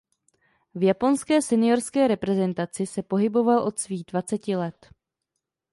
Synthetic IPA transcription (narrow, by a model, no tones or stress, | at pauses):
vjapo̞nskɛːsɛnɪjo̞ɾskɛːɾɛpɾɛzɛnt̪at͡sɪsɛpo̞ɦɪbo̞valʔo̞t̪sviːɣdvat͡sɛcɪlɛt̪